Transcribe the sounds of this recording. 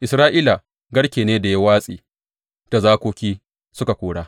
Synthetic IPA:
ʔɪ˨sɾaː˦ʔiː˦la˨ | ɡɐ˦ɽkʲeː˨neː˦da˨jɐ˦waː˦sʼiː˨ | ta˨zaː˦kʷoː˦kʲiː˦ | sʊ˦ka˨kʷoː˨ɽaː˦

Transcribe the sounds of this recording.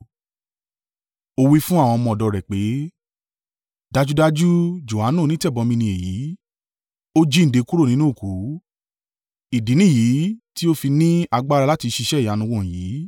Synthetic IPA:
o˧wi˦fũ˦a˦˨w̃ɔ̃˧mɔ̃˧˨dɔ˧˨ɾɛ˨k͡pe˨˦ | da˦d͡ʒu˦da˦d͡ʒu˦d͡ʒo˨a˨˦nũ˦˨nĩ˦tɛ˦˨bɔ˧mĩ˧nĩ˧e˨ji˨˦ | o˦d͡ʒi˦n̩˨de˧ku˦ɾo˦˨nĩ˦nũ˦˨ku˨˦ | i˨di˨˦nĩ˦˨ji˨˦ti˦o˦fi˧nĩ˦a˧ɡ͡ba˦˧ɾa˧la˦ti˧ʃi˧ʃɛ˦˨ja˨˦nũ˧wɔ̃˧˨jiː˨˦

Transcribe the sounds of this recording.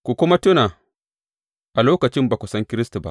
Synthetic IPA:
kʷu˨kʷʊ˦ma˦tʊ˦naː˨ | ʔa˨loː˦kɐ˨t͡ʃɪ˦mbaː˨kʷu˨sɐ˦ŋkʲɪ˦ɾɪ˦stu˨ba̰˦ʔ

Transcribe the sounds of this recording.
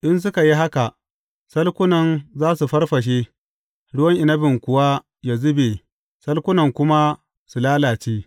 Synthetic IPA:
ʔɪ˦ns̬ʊ˦ka˨ji˦ɦa˦ka˨ʔ | sɐ˦lkʷʊ˦nɐ˨nzaː˦su˨ɸɐ˦rɸɐ˨ʃ̬eː˦ | ɽʊ˦wɐ˦ŋʔɪ˨nɐ˦bɪ˨ŋkʷʊ˦wa˦ | jaː˨zʊ˦beː˨ | sɐ˦lkʷʊ˦nɐ˨ŋkʷʊ˦ma˦ | su˨laː˦laː˨t͡ʃeː˦

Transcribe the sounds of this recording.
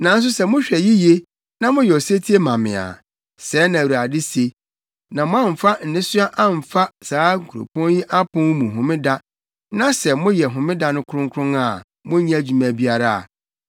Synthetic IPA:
nã˨n̩˦s̬ʊ˦sɛ˨mʊ̃˦ɕᶣɛ˨ji˦je˦ | nã˦mʊ̃˦jɛ˨ɔ˨se˦tʰi˦e˦mã˨mɪ̰̃˨a̰˨ | sɛː˨˦nã˨u˨ɾa˨dɪ˦se˦ | nã˨mʊ̃˦ã˦˨m̩˨fa˦n̩˨nɪ̃˦sʊ˦a˦ʔã˦m̩˨fa˦saː˨˦ŋ̩˨kʰu˨ɾo̰˨pʰɔ̃˦nji˦ʔa˦pʰʊ̃˦n˦mũ˨ɦʊ̃˨mɪ̃˦da˦ | nã˦sɛ˨mʊ̃˦jɛ˨ɦʊ̃˨mɪ̃˦da˨nʊ̃˦kʰʊ˦ɾʊ̃˦ŋkʰʊ̃˦ŋa˦˨ | mʊ̃˦ɲĩ˦˨d͡ʑᶣu˨mæ̃˨bi˦a˦ɾa˦a̰˨

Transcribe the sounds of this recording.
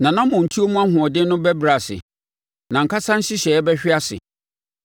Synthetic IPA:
nã˨nã˦mʊ̃˨n̩˨tʰi˦o˦mũ˦a˦ɦʊ̃˨ɔ˨dɪ̃˦nʊ̃˦bɛ˦bɾa˨sɪ̰˨ | nã˨ŋ̩˨kʰa˦sã˦n̩˦ɕɪ˦ɕɛ˨˦bɛ˦ɕᶣɪ˦a˦sɪ̰˨

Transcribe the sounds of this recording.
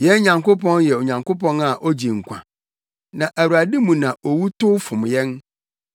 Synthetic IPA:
jɛ˦n˦ɲã˨ŋkʊ˦pʰɔ̃˦njɛ˨ɔ˨ɲã˨ŋkʊ˦pɔ̃˦na˨ʔɔ˦d͡ʑi˨ŋ̩˨kʷʰã̰˨ | nã˨ʔæ˨wu˨a˨di˦mũ˨nã˨ʔɔ˨wu˦tʊ˦fʊ̃˨m˨jɛ̃˦n

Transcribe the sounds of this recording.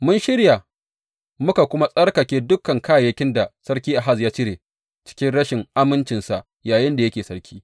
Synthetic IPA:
mʊ˦nʃɪ˦ɽja˨ | mʊ˦ka˨kʷʊ˦ma˦sʼɐ˦ɽkɐ˨kʲeː˦dʊ˦kːɐ˨ŋkaː˦˨jɐ˦kʲɪ˦nda˨sɐ˦ɽkʲiː˦ʔa˨ɦa˦sjaː˦t͡ʃɪ˦ɾeː˨ | t͡ʃɪ̥˦kʲɪ˦nɽɐ˦ʃɪ˨ŋʔa˦mɪ˦nt͡ʃɪ˨nsa˨ʔ | jaː˨jɪ˦nda˨jɐ˦kʲeː˨sɐ˦ɾkʲiː˦

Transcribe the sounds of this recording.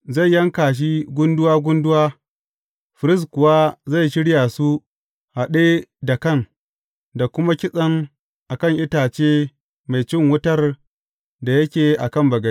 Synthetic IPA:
za˦˨jːɐ˦ŋkaː˨ʃ̬i˦ɡʷʊ˦ndʊ˦waː˦ɡʷʊ˦ndʊ˦waː˦ | ɸɪ˨ɾɪ˦s̬kʷʊ˨waː˦za˦˨jʃɪ˦ɽjaː˨su˦ | ha˨ɗeː˦da˨kɐ˦ŋ | da˨kʷʊ˦ma˦kʲɪ˦sʼɐ˦ŋ | ʔa˨kɐ˦˨ŋʔɪ˦taː˨t͡ʃeː˦ | ma˨jt͡ʃɪ˦ŋwʊ˦tɐ˦r | da˨jɐ˦kʲeː˨ʔa˨kɐ˦˨mbɐ˨ɡɐ˦

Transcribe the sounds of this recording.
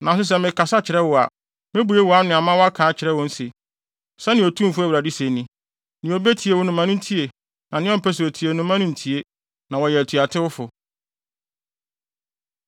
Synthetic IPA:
nʔã˨s̬ʊ˦s̬ɛ˦mɪ̃˨kʰa˨sa˦t͡ɕʰɪ˨ɾɛ˦wʊ˨a̰˨ | mɪ̃˦bu˨˦e˦wɔ˨a˦nʊ̃˨a˨mã˦wɔ˦a˦kʰãː˨˦t͡ɕʰɪ˨ɾɛ˦wɔ̃˦n̩˦se˨ | sɛ˦nɪ̃˨o˨tʰũ˦fʊ˦æ˨wɾa˨di˦se˨nĩ˨ | nɪ̃˨o˨be˦tʰi˨e˦wʊ˦nʊ̃˨mã˨˦nʊ̃˦n̩˦tʰi˦e˨ | nã˨nɪ̃˦ɔ̃˦m̩˨pʰɛ˦s̬ɾo˨tʰi˨e˨nʊ̃˦mã˦nʊ̃˦n̩˨tʰi˦e˦ | nã˨wɔ˨jɛ˨tʰu˨a˨tʰɪ˦wʊ˦fʊ˨

